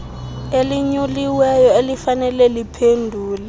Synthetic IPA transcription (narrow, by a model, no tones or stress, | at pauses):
eliɲuliwɛjɔelifanɛlɛlipʰendʱuːla